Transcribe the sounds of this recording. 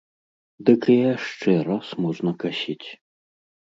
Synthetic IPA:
d̪ɨkjaʂt͡ʂɛɾasmɔʐnɐkasʲit͡sʲ

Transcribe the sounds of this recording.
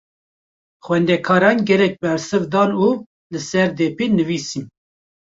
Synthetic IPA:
xwɛnd̪ɛkʰɑːɾɑːnɡɛɾɛk̚bɛɾsɨvd̪ɑːnuː | lɨsɛɾd̪ɛːpenɨviːsin

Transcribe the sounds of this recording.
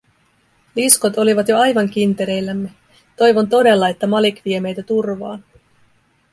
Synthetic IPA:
lisko̞t̪o̞liʋɑt̪jo̞ɑjʋɑŋk̟int̪e̞ɾe̞jlːæmːe̞ | t̪o̞jʋo̞nt̪o̞de̞lːɑe̞t̪ːæmɑlikʋie̞me̞jt̪æt̪urʋɑ̰ːn

